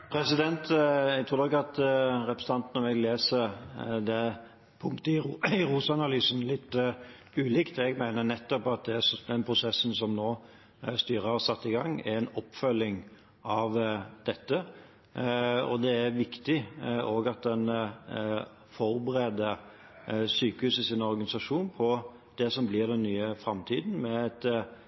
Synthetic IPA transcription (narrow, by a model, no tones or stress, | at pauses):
pʰɾɛsɪd̪ɛnt̪ɛɡ̚t̪ɾuːɾd̪ɛkɑt̪ɾɛpɾəsənɑnt̪nɔmɛɡleːsəɾd̪ɛ | pʰʊŋkt̪ɪɪɾuːsɑnɑlyːsənlɪt̪ː | ʉːlɪkt̪ɛɡmæɪnənɛt̪ːɔpɑt̪̚d̪ɛæd̪ɛnpʰɾʊsɛsːən̩sɔmnoː | st̪yːɾəɑsɑt̪ːɪɡɑŋːɛ̰ɾɛnɔpːfœlːɪŋ | ʔɑʋd̪̥ɛt̪ːə | ɔ̰d̪ɛæɾʋɪkt̪ɪʔoːɡɑt̪̚d̪ɛn | fɔɾbəɾeːd̪ə | syːkəhʉːsəsɪnɔɾɡɑnɪsɑʂuːnpʰɔ | d̪̥ɛsɔmblɪːɾd̪ɛnːyːəfɾɑmt̪ʰiːd̪n̩mɛæɛt̪